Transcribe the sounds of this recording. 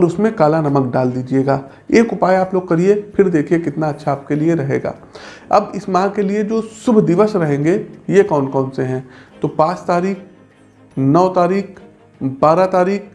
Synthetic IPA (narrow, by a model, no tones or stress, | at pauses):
ɔːɾʊsmẽkaːlanɐmək̚ɖaːld̪iːd͡ʒieːɡaː | eːkʊpaːjaːploːɡ̚kɐɾiepɪɾd̪eːkʰiekɪt̪naɐtːʃʰaːp̚kelieɾɐɦeːɡa̰ː | ɐ̰bɪsmãːkelied͡ʒoːsʊbʱd̪ɪʋəsɾɐɦẽːŋɡejekɔːnkɔːnseɦɛ̃ːt̪oːpãːt͡ʃt̪aːɾiːk | nɔːt̪aːɾiːk | baːɾat̪aːɾiːk